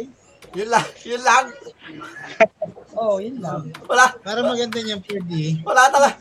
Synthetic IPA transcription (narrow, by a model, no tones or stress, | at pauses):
jʊnlajʊnlaŋ | ʔojʊnlaŋwɐlapaːɾɐmɐɡɐnd̪aɲaŋpwɛːd̪ɪwɐlat̪ɐla